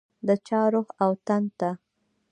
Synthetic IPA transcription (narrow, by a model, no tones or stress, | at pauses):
d̪ət͡ʃɑɾoxawt̪ant̪a